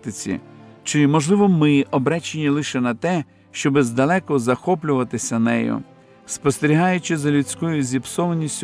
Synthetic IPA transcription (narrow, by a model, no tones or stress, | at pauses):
t̪ɪt͡sʲḭt͡ʃɪmɔʒlˠɪʋɔmɪɔbɾɛt͡ʃenʲilˠɪʃɛnɐt̪ɛ | ʃt͡ʃɔbɪzd̪ɐlˠɛkɔzɐxɔp̬lʲʊʋɐt̪ɪsʲɐnɛ̰jʊ̰ | spɔst̪eɾʲiɦɑjʊt͡ʃɪzɐlʲʊt͡sʲkɔjʊzʲipsɔʋɐnʲːisʲtʲ